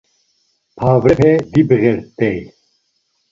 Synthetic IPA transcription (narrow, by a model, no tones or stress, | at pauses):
pʰaːvɾɛpʰɛd̪ibɨɣɛɾt̪ɛj